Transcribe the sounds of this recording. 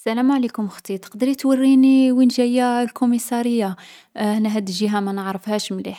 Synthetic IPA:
sælæmʕlikʊmxt̪ˤit̪ˤə̥qd̪əɾit̪wərːiniwinʒæjːælkomisɑɾəjːa | næɦæd̪ʒiɦæmænəʕɾəfhæʃmliħ

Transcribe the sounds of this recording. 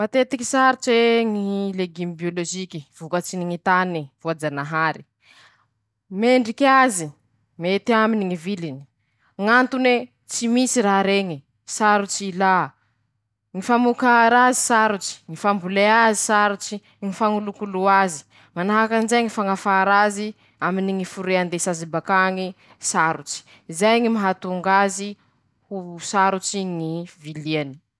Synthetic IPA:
mat̪et̪iki̥saɾut͡ʃeŋileɡimbioloʒikiv̥ukət͡siniŋit̪anivuad͡zanaɦaɾi | meɳɖ͡ʐikazi | met̪iaminiŋivilini̥ | ŋant̪une | t͡simisiɾaɾeŋi | saɾut͡ʃila | ŋifamukaɾazisaɾut͡ʃi̥ŋifambuleazisaɾut͡si | ŋifaŋulukuluazi̥ | manaɦakanzajŋifaŋafaɾazi | aminiŋifuɾeand̪esazibakaŋi | saɾut͡ʃi̥ | izajŋimaɦat̪uŋɡazi | husaɾut͡ʃiŋiviliani̥

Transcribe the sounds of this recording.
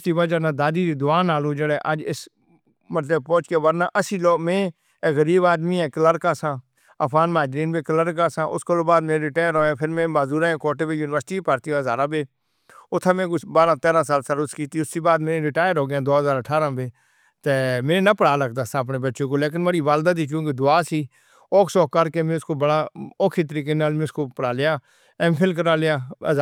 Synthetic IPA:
iːbəd͡ʒənãːd̪aːd̪iːɾiːd̪ʊaːnaːloːd͡ʒəɽɛːʔəd͡ʒɪs | mət̪ləb̚pɔ̃ːt͡ʃkeːʋəɾnaːʔəsiːloːmẽː | ɣəɾiːbaːd̪miːɛ̃ːkələɾkaːsãː | əpʰɡaːnmaːd͡ʒɾiːnbeːkələɾkaːsãːʔʊskəloːbaːd̪meːɾeːɾɪʈaːjəɾɦoːãːpʰɪɾmẽːmaːzuːɾãːẽːkoːʈeːbeːjuːnɪʋəɾsʈiːpaːɾt̪iːʋazaːɾãːbeː | ʊt̪ʰːãːmẽːkbaːɾãːt̪ɛːɾãːsaːlsəɾʊskiːt̪iːʊsːiːbaːd̪meːẽːɾɪʈaːjəɾɦoːɡjãːd̪oːɦəzaːɾəʈʰaːɾãːbeː | t̪eːmẽːnẽːnəpəɽaːləɡd̪aːsãːəp̬neːbətːʃõːkoːleːk̬ɪnmeːɾiːʋaːld̪aːd̪̬iːk̬jõːked̪ʊaːsiː | ɔːkʰsɔːkəɾkeːmẽːʊskoːbəɽaːoːkʰeːt̪əɾiːk̬eːnaːlmẽʊskoːpəɽaːlɪjaː | ɛ̃ːpʰɪlk̬əɾaːlɪjaː

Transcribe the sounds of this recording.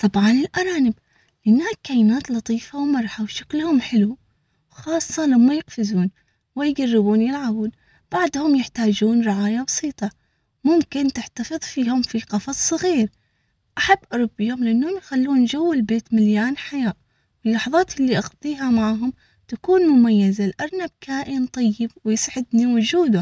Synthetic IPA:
t̪ˤɑbʕɑnɪlʔɑɾˤɑːnɪb | lɪʔɪnːaːkːajɪnaːt̪lɑt̪ˤiːfawmɑɾˤħawʃḁklhʊmħɪlu | wxɑːsˤːɑlamːajɪqfɪzuːn | wɪjɡarːɪbuːnjɪlʕabuːn | b̥aʕd̪hʊmjɪħt̪aːd͡ʒuːnɾɪʕaːjabɑsˤiːt̪ˤɑ | mʊmkɪnt̪ɪħt̪afɨðˤfiːhʊmfiqɑfɑsˤsːˤɣiːɾ | ʔaħabːʔɑɾˤʊbɪjʊmlɪʔanːhʊmjxalːuːnd͡ʒawːɪlbeːt̪mɪljaːnħajaːʔ | wɪlːɑħɑðˤɑːt̪ʔɪlːiʔɑɣt̪ˤiːɦamaʕɦʊm | t̪akuːnmʊmajːɪzalʔɑɾˤnab̚kaːʔɪnt̪ˤɑjːɪbwɪjsʕɪd̪niwʊd͡ʒuːd̪ʊ

